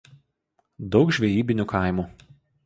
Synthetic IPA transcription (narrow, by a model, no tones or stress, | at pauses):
d̪ɒʊkʒʲʋʲɛjiːbʲɪnʲuːˑkʰɑˑɪmuː